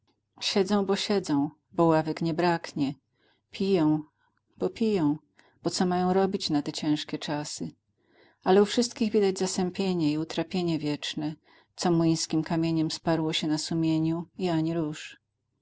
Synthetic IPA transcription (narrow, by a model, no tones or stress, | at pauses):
ɕɛd̪zɔ̃w̃bɔɕɛd̪zɔ̃w̃ | bɔwavɛkɲɛbɾakɲɛ | pʲijɔ̃w̃ | b̥ɔpʲijɔ̃w̃ | b̥ɔt̪sɔmajɔ̃w̃ɾɔbʲit͡ɕnat̪ɛt͡ɕɛ̃w̃ʂkʲɛt͡ʂasɨ | alɛufʂɘst̪kʲiɣvʲid̪ad͡ʑzasɛmpʲjeɲɛiut̪ɾapʲjeɲɛvʲjɛt͡ʂnɛ | t̪sɔmuj̃skʲimkamʲjeɲɛmspaɾwɔɕɛnasumʲjeɲuiaɲiɾuʂ